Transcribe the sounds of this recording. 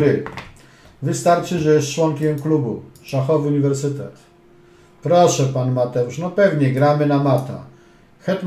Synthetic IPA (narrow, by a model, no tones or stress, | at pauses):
ɾɘ | vɘst̪aɾt͡ʂɘʐɛjɛst̪̚t͡ʂwɔŋkʲɛmklubuʂaxɔvɘuɲivɛɾsɘt̪ɛ̰t̪ | pɾɔʂɛpanmat̪ɛuʂnɔpɛvɲɛɡɾamɘnamat̪a̰ | xɛt̪